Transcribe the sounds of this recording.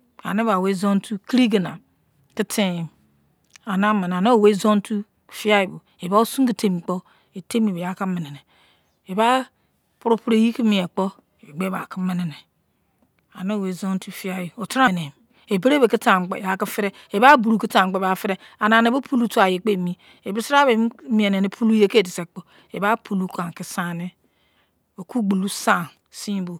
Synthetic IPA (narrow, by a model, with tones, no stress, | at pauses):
a̰˨ne˦a˨we˦zo˦n˦tu˦ki˦ɾi˦ɡi˨na˨ | ki˦tʰi˦ji˨m | a˨na˦mi˨n˨a˨no˦˨we˦zo˦n˦tu˦ | fi˦a˦i˨bo˨ | e˨ba˦o˦su˦ŋki˦tʰe˦mi˨k͡po˦ | e˨te˦mi˨be˨ja˨ki˦mi˨ne˨ne˨ | e˨ba˦ | pu˦ɾu˦pu˦ɾe˦˨ji˦ki˦mi˦e˨k͡po˦˨ | e˨ɡ͡be˦ba˨ki˦mi˦ne˨ne˨ | a˨no˦˨we˨zo˦n˦ti˦fi˦a˦ji˨o˨tɾa˦ne˨m | e˨be˦ɾe˦be˨ki˦ta˨ŋ͡mk͡pḛ˨ja˨ki˦fi˦ɾe˦ | e˨ba˦bu˨ɾu˨ki˦ta˨k͡pe˦ba˨fi˦ɾe˦ | a˨na˨ne˨bo˦pʰu˦lu˦tu˦a˨je˨k͡pe˦˨mi˦ | e˨bi˦sɾa˦be˨˦mi˨e˨ne˨ne˨pʰu˦lu˦je˦ke˦˨di˨se˨k͡po˦ | e˨ba˦pʰu˨lu˦ka˨ŋ˨ki˦sa˦˨ni˦ | o˨ku˦ɡ͡bu˨lu˦sa˦˨ | si˦bo˨